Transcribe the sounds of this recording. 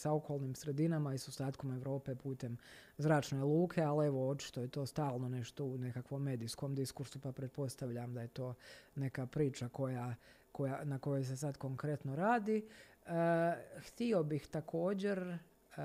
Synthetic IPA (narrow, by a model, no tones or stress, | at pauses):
sao̞kʰoːlˠniːmsɾe̞d̪inamaisost̪aːt̪ko̞me̞ʋɾo̞ːpe̞puːt̪e̞m | zɾaːt͡ʃnelˠuːkʰe̞alieʋo̞o̞t͡ʃi̥t̪ojet̪o̞ːst̪aːlˠno̞ne̞ʃt̪o̞une̞kakʋo̞mːe̞ːd̪isko̞md̪iskuɾsupapɾe̞t̪̚po̞st̪aʋʎamd̪aje̞t̪o̞ːne̞kapɾiːt͡ʃako̞ja | ko̞janako̞jojs̬e̞s̬ad̪ko̞ŋkɾe̞t̪no̞ɾaːd̪iəxt̪io̞bixt̪akʰo̞ːd͡ʑe̞ɾ